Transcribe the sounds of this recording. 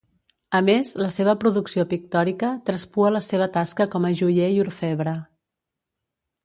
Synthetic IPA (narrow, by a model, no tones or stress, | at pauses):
əmezləseβəpɾuðuksiopik̚t̪ɔɾikət̪ɾəspuələseβ̞ət̪askəkɔməʒuʎeiuɾfɛβɾə